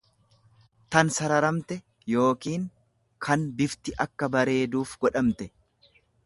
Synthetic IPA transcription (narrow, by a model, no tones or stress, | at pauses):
t̪ɐnsɐɾɐɾɐmt̪ɛ | jo̞ːkiːŋ | kʰɐnbɪft̪ɪʔɐkːɐbɐɾe̞ːd̪uːfɡɔᶑɐmt̪ɛ